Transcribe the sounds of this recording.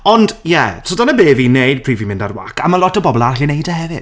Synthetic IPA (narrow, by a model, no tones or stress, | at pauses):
ɔndjɛtʰodanəbeːviːnejd̚pʰriːvimɪndarwa̰kʰamalˠɔtəbɔbɔlˠarɬinejdəhɛvɪ̰d̥